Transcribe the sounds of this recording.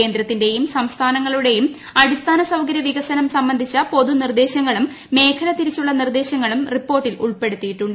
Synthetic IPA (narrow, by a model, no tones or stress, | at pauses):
e̞ːnd̪ɾɐt̪ːinde̞jumsɐmst̪ʰaːnɐŋːɐɭuɽe̞jum | ɐɽist̪ʰaːnɐsɐwkɐɾjɐʋiɣɐsɐnɐmsɐmbɐnd̪ʱit͡ɕːɐpo̞ðunird̪e̞ːɕɐŋːɐɭumː | e̞ːkʰɐlɐt̪ːiɾit͡ɕːuɭːɐnird̪e̞ːɕɐŋːɐɭumripːo̞ːrʈːilṵɭpe̞ɽut̪ːijiʈːuɳɖɨ